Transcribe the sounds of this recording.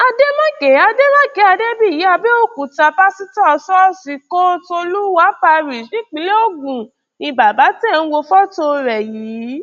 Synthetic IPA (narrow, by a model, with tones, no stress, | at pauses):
a˧de˦mã˦kɛ˨˦a˧de˦mã˦kɛ˨˦a˧de˦bi˦˨i˨˦a˧be˦o˦˨ku˨ta˧pa˦si˦tɔ˦˧sɔ˦si˨ko˦to˧lu˦wa˨˦pa˧ɾi˨ʃnĩ˦k͡pi˨˦le˦o˦˨ɡũ˨ | nĩ˧ba˨ba˨˦tɛ˦˧ñ̩˦wo˧fɔ˦to˧ɾɛ˨ji˨˦